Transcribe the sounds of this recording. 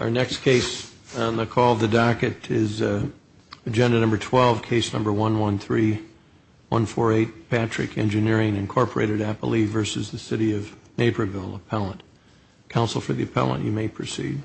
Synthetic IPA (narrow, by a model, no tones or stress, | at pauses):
əə˞nɛkskʰeɪsnðəkʰɔlˠðɨdɑkɨɾɪz | ɨd͡ʒɛ̃ndɨnʌ̃mbə˞tʰw̥ɛlˠv̥kʰeɪsnʌ̃mbə˞wʌ̃nwʌ̃nθɹi | wʌ̰̃nfɔɹeɪt̚pʰæt͡ʃɹ̥ɨ̰kʰɛ̰̃nd͡ʒɨnɪɹɪ̃ŋɨ̃nkʰɔɹpə˞ḛɪɾɨɾæpə̰l̩ˠivɜ˞sɨzðɨsɪɾiʌvneɪbə˞vɪlˠəpʰɛlˠə̃nt | kʰãʊ̃nsl̩ˠfə˞ðiɨpʰɛ̰lˠə̰̃nʔjʔɨmeɪpʰɹ̥ɨsḭd̥̚